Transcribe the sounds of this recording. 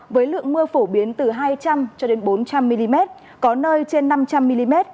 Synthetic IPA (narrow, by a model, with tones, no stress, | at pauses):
vəː˨˦jlɨ̰˧˨əŋmɨ˧əfo˧˩ɓi˨˦ənt̪ɨ˨˩ɦaː˧jt͡ɕa˧mt͡ɕɔ˧ɗe˨˦nɓo˨˦nt͡ɕa˧mːi˧li˧mɛ˦˥t̚ | kɔ˨˦nəː˧jt͡ɕe˧nːa˧mt͡ɕa˧mːi˧li˧mɛ˦˥t̚